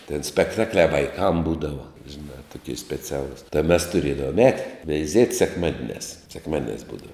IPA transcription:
tʲɪn sʲpʲɛkˈtɑːklʲæː ʋɐɪˈkɐm ˈbuːdɐʋɐ ʒʲɪˈnɑː tʊˈkʲiɛ sʲpʲɛˈt͡sʲæːlˠʊs tɐɪ mʲɛs tʊˈrʲeːdɐʋoːm ˈɛːtʲɪ ʋʲɛɪˈzʲiɛtʲ sʲɛkˈmɑːdʲɪnʲæːs sʲɛkˈmɑːdʲɪnʲæːs ˈbuːdɐʋɐ

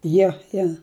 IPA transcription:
ˈjoː joː

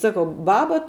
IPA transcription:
sɐˈkɐʊ ˈbɑːbɐ

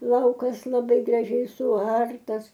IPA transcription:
ˈlˠɐʊkɐs lˠɐˈbɐɪ ɡrɐˈʒʲɛɪ sʊˈɐrtɐs

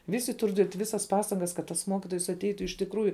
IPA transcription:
ˈʋʲɪsʲɪ ˈtʊr dʲiɛtʲ ˈʋʲɪsɐs ˈpɑːstɐŋɡɐs kɐt tɐs ˈmoːkʲɪtoːjs ɐtʲˈɛɪtʊ ɪʃ tʲɪkˈruːjʊ

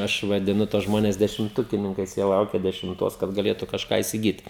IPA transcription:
ˈɐʃ ʋɐdʲɪˈnʊ tuɔs ˈʒmoːnʲɛs dʲɛʃʲɪmˈtʊkʲɪnʲɪŋkɐɪs ˈjiɛ ˈlˠɐʊkʲɛ dʲɛʃʲɪmˈtoːs kɐt ɡɐˈlʲeːtʊ kɐʃˈkɑː ɪsʲɪˈɡʲiːt

